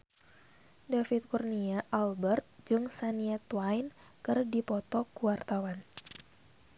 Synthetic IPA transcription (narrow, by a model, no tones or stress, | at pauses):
dafit̪̚kurniaʔalbɛrt̪̚d͡ʒɨŋsaniɛt̪wajn | kɨrdipɔt̪ɔkuwart̪awan